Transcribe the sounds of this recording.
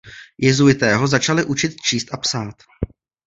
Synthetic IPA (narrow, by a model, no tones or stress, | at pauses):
jɛzujɪt̪ɛːɦo̞zat͡ʃalɪʔut͡ʃɪt̪̚t͡ʃiːst̪ʔapsaːt̪